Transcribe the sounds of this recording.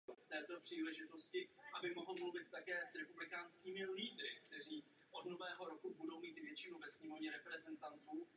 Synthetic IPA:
ft̪ɛːt̪o̞pr̝̥iːlɛʒɪt̪o̞scɪʔabɪmoɦl̩mluvɪt̪̚ːakɛːsɾɛpublɪkaːnskiːmɪliːdɾɪ̰k̚t̪ɛr̝iː | ʔod̪novɛːɦo̞ɾo̞kubudo̞wmiːt̪vjɛt͡ʃɪnuvɛsɲɛmo̞vɲɛɾɛpɾɛzɛnt̪ant̪uː

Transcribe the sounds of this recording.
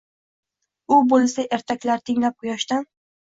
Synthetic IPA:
ʊbolˠsaʔeɾt̪ʰakʲlaɾt̪ʰɪŋlap̚qʰʊjaʃt̪an

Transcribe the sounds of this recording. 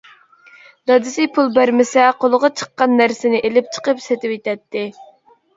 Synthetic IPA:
d̪ɑd̪ɪsɪpʰulˠbæɾmɪsɛqʰolˠʊʁɑt͡ʃʰə̥qːɑnːæɾsɪnɪʔelɪp̚t͡ʃʰə̥qəpset̪ɪpet̪ɛt̪ʰːɪ

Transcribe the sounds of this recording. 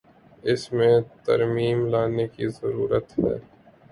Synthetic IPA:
ɪsmẽt̪ɐ̰ɾmiːmlaːnekizəɾuːɾət̪ɦɛ̰ː

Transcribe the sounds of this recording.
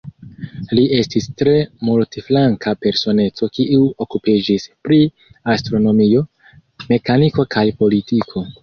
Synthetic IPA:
liʔe̞stistɾe̞multiflaŋkʰape̞ɾso̞ne̞t͡so̞kiʔuo̞kupid͡ʒispɾi | astɾo̞no̞mio̞ | me̞kaniko̞kʰajpo̞litikʰo̞

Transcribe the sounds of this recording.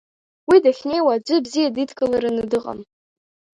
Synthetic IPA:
widaχʲnejwaːd͡ʒʷɨbzijaditʰkʼɨlaɾanɨdɨqʼa̰m

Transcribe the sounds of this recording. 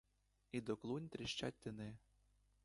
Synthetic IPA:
id̪ɔklˠunʲt̪ɾʲɪʃt͡ʃa̰t̚ʲt̪ɪnɪ

